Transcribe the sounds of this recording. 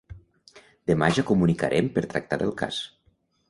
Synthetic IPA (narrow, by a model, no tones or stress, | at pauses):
d̪emaʒəkumunika̰ɾʔempəɾt̪ɾək̚t̪aðəlˠka̰s